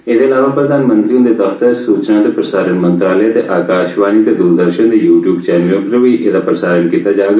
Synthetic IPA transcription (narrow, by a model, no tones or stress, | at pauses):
ed̪eɐlaːʋapɾɐd̪ʱaːnmə̃nt̪ɾiũd̪ed̪ɐft̪əɾsuːt͡ʃnat̪epɾɐsaːɾənmɐ̃nt̪ɾaːləat̪eʔaːkaːʃʋaːnit̪ed̪uːɾd̪əɾʃənd̪ejuːʈjuːbt͡ʃɛːnjoːkɾoʋiʔeːd̪apɾɐsaːɾənkiːt̪ad͡ʒaːɡa